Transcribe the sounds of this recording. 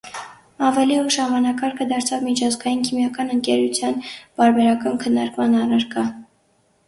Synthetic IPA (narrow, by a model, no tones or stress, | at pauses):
ɑvɛliuʃhɑmɑnɑkɑɾkʰəd̪ɑɾt͡sʰɑvmit͡ʃʰɑzɡɑjinkʰimjɑkɑnəŋkɛɾut͡sʰjɑnpɑɾbɛɾɑkɑnkʰənːɑɾkmɑnɑrɑɾkɑ